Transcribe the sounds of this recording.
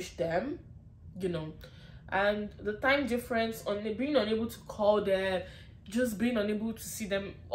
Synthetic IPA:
ʃdɛ̃m | jɨnoʊ | ʔə̃nðətãɪ̃mdɪfɹɛ̃nsə̃nbiɪ̃ŋʌ̃nebəl̩ˠtʰu̥kʰɔlˠðɛ | d͡ʒʌs̬biɪ̃ŋʌ̃nebəl̩ˠtʰusiðɛ̃m

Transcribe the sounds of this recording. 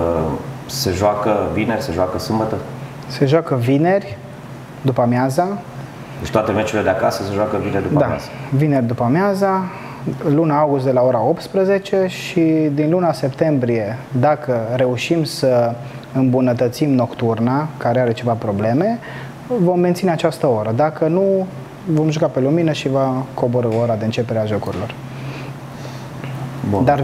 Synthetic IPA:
ə | se̞ʒoakəvine̞rʲse̞ʒoakəsɨmbət̪ə | se̞ʒakəvine̞rʲ | d̪upamjaza | d̪et͡ʃt̪oat̪e̞met͡ʃuiled̪eakasəse̞ʒoakəvineɾʲd̪ud̪amj̰a̰zavine̞rʲd̪upamʲjaza | lunaaɡust̪d̪elao̞ɾao̞p̚t̪spɾəze̞t͡ʃe̞ʃid̪inlunase̞pt̪e̞mbɾie̞d̪akʰəɾe̞uʃimsə | ɨmbunət̪ət̪simno̞kt̪urnakaɾeaɾe̞t͡ʃe̞vapɾo̞ble̞me̞ | vo̞mːent̪sineat͡ʃast̪əo̞ɾəd̪akənu | vo̞mʒukape̞luminəʃivakʰo̞boɾəoɾad̪e̞ɨnt͡ʃe̞peɾeaʒokuɾḭlo̞r | bṵd̪ar

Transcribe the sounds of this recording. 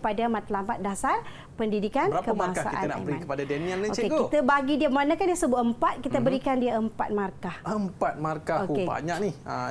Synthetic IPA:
padamat̪lampat̪̚dasar | pəndidikanakəbakasa̰kʔa̰nanməɾinkəpadadɛniəlnɛoeɡkoit̪əbaɡidiəmanakandiəsəbʊt̪əmpat̪̚kit̪abəɾikandiaəmpa̰t̪̚markahəmpat̪̚markaokeba̰ɲak̚nihə

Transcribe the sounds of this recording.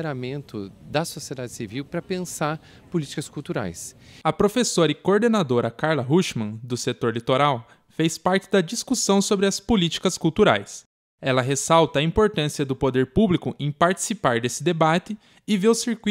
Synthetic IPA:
ɾamẽnt̪ʊd̪ɐsosied̪ad͡ʒɪsiviwpɾɐpẽsaɾ | polit͡ʃi̥kɐskuwt̪uɾa̰jsɐpɾofesoɾɐɪkoɾd̪enad̪oɾɐkaɾlɐɦuʃmɐ̃d̪ʊset̪oɾlit̪oɾaw | fespaɾt͡ʃɪd̪ɐd͡ʒiskusɐ̃w̃sobɾɪɐspolit͡ʃi̥kɐskuwt̪uɾa̰js | ɛlɐɦesawt̪ɐĩmpoɾt̪ɐ̃siɐd̪ʊpod̪eɾpublikʊʔẽj̃paɾt͡ʃi̥sipaɾd̪esɪd̪ebat̪ɪː | veɾʊsiɾkui

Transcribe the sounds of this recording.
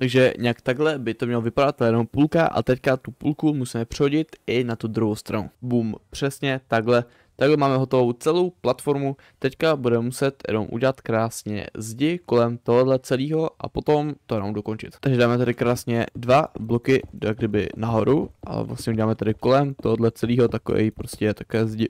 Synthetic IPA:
t̪aɡʒɛɲɛakt̪aɡlɛbɪt̪omɲɛlovɪpadat̪ːljɛnompulkaʔa̰t̪ɛckat̪upṵlkumusiːmɛpr̥ɛɦo̞ɟɪt̪ɪnat̪ud̪ɾuɦowst̪ɾanṵbuːmpr̥ɛsɲɛt̪aɡlɛ | t̪aɡlɛmaːmɛɦo̞t̪o̞vo̞wt͡sɛlo̞wplat̪fo̞ɾmu | t̪ɛckabudɛmɛmusɛt̪jɛ̰no̰mʔṵɟɛlat̪kɾaːsɲɛ̰zɟɪko̞lɛmt̪oɦodlɛt͡sɛliːɦo̞ʔa̰po̞t̪o̞mt̪ojɛnomdo̞ko̞nt͡ʃɪ̰t̪t̪aɡʒɛdaːmɛt̪aɾɪkɾaːsɲɛdvablokɪjaɡdɪbɪ̰naɦo̞ɾuʔa̰lɛ̰vlast̪ɲɛʔuɟɛlaːmɛt̪adɪko̞lɛmt̪oɦodlɛt͡sɛliːɦo̞t̪ako̰vɛ̰jipɾoscɛt̪akovɛːzɟɪ

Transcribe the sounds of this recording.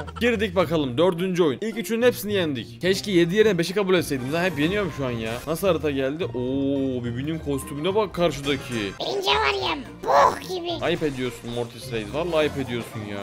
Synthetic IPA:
ɟiɾd̪ic̚bakalˠɯmd̪ø̞ɾd̪ynd͡ʒyo̞junilʲcyt͡ʃʰynynhepsinijænd̪iccʰɛʃcije̞d̪ije̞ɾinɛbe̞ʃikabulʲɛt̪sejd̪imd̪anhɛpje̞nijo̞ɾumʃuanjaːnasɯlˠaɾɯt̪ʰaɟælʲd̪iʔoːbibinynkʰo̞st̪ʰymyd̪ɛbakʰːaɾʃɯd̪acʰibiind͡ʒɛvaɾjam | buɡʲibiajɯpe̞d̪ijo̞ɾsunmoɾt̪ʰisɾejd̪ivalˠːaːjɯpe̞d̪ijo̞ɾsunja̰ː

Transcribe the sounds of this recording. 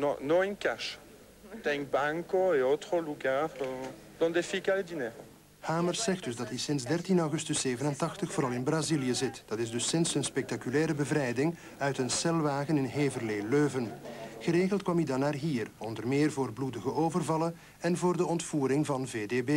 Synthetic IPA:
nɔ̃nɔ̃inkaʃ | t̪ɛŋbaŋkoeot̪χəluɡaːʁ | d̪ɔ̃nd̪efikaed̪inɛːʁo | haːmərsɛxdɵzdɑtɦisɪnzdɛrtinɔwɣʏstɵseːvənəntɑxtəxfoːɾɑlˠɪnbraziljəzɪtd̥ɑtɪzdɵsːɪnsənspɛk̚takylɛːɾəbəvɾɛjdɪŋ | œɥtənsɛlʋaːɣənɪnɦeːvərleːløːvənɣəɾeːɣəlˠt̚kwɑmidɑnːaːrɦiːrɔndərmeːrvoːrbludəɣəʔoːvərvɑlən | ɛnvoːrdəɔntfuːɾɪŋvɑnvedeːbeː

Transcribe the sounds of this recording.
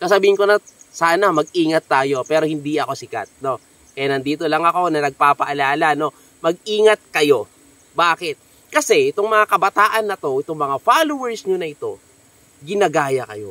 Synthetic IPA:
saːsɐbiːhɪnkonɐsaːnɐmɐɡ̚ʔiːŋɐt̪ːaːjo̞pɛːɾo̞hɪnd̪iɐko̞sɪka̰t̪̚no̞ | ʔɛnɐnd̪iːt̪o̞lɐŋɐko̞nɐnɐɡ̚paːpɐʔɐlaːlɐno̞ | mɐɡ̚iːŋɐt̪̚kɐjo̞ | baːkɪt̪̚ | kɐsɛʔɪt̪o̞ŋmɐŋakɐbɐt̪aːʔɐnːɐt̪o̞ʔɪt̪oŋmɐŋafaːlowɛɹsɲonɐʔɪt̪o̞ | ɡɪnɐɡaːjɐkɐjo̞̰

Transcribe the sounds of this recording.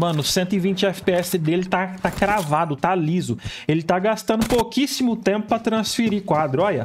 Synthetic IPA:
mɐ̃nʊsẽnt̪ʊɪvĩnt͡ʃɪɛfi̥peɛsɪd̪elɪt̪at̪akɾavad̪ʊt̪alizʊelɪt̪aɡast̪ɐ̃nd̪ʊpokisimʊt̪ẽmpʊpɾɐt̪ɾɐ̃sfiɾikwad̪ɾʊɔjɐ̰

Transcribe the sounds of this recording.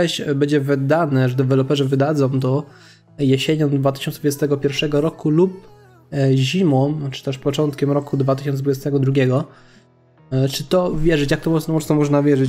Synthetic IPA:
ɛɕbɛd͡ʑɛvɘd̪anɛʐd̪ɛvɛlɔpɛʐɛvɘd̪ad̪zɔ̃w̃t̪ɔ | jeɕeɲɔ̃md̪vat̪̬ɘ̥ɕɔnsd̪vud͡ʑɛst̪ɛɡɔpʲjɛɾfʂɛɡɔɾɔkulup̚ | ʑimɔmt͡ʂɨ̥t̪ɛʂpɔt͡ʂɔnt̪kʲɛmɾɔkud̪vat̪ɘɕɔnɛd̪vud͡ʑɛst̪ɛɡɔd̪ɾuɡʲjɛɡɔ | t͡ʂɘt̪ɔvʲjɛʐɘt͡ɕjak̚t̪ɔmɔmɔsɔmɔʐnavʲjɛʐɘt͡ɕ

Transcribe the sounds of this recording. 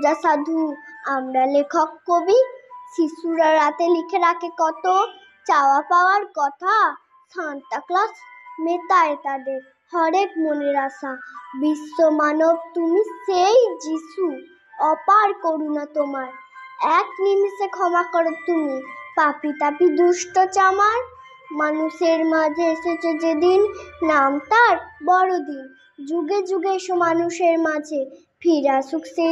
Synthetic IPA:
d͡ʒasad̪ʱuamɾalekʰɔkːobisisuɾaɾat̪elikʰeɾakekɔt̪o | t͡ʃawapawaɾkɔt̪ʰa | sanʈ̪aklɔsmet̪aet̪ad̪eɾ | hɔɾekmoneɾasabisːomanɔbt̪umiseid͡ʒisu | ɔpaɾkoɾunat̪omaɾ | ɛknimsekʰɔmakɔɾot̪umipapit̪apid̪uʃʈot͡ɕamaɾ | manuʃeɾmad͡ʑʱeeʃet͡ɕʰed͡ʑed̪inːamt̪aɾbɔɾod̪in | d͡ʑuɡed͡ʑuɡeʃomanuʃeɾmad͡ʑʱe | fʰiɾaʃukse

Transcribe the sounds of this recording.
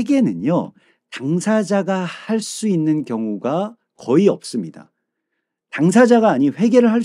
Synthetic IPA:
eɡe̞nɯnjo | taŋsʰad͡ʑaɡahaɭs͈uinːɯnkjʌŋuɡa | kʌiʌp̚s͈ɯmɲida̰ | taŋs̬ʰad͡ʑaɡaːɲiɸwe̞ɡe̞ɾɯɭɦaɭ

